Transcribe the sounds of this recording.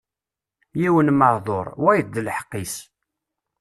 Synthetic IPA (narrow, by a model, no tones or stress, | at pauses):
jiwənməɾðˤoɾˤwæjd̪əlħə̥qːis